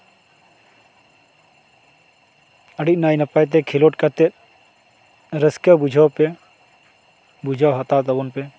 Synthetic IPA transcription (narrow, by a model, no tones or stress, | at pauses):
əɽit̪̚naːjnɐpajt̪̬ekʰeloʈ̚kat̪et̪̚ | ɾəskəbud͡ʒʱawpe | bud͡ʒʱawɦɐt̪at̪ɐbɔnpe